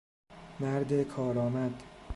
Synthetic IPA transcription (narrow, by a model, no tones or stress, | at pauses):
mæɾd̪ekʰɒːɾɒːmæd̪